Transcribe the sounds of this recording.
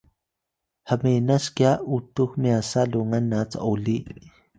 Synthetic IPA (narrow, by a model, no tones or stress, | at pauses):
hamenaʃkjaut̪uhmiasaluŋanːat͡sa̰ʔoliʔ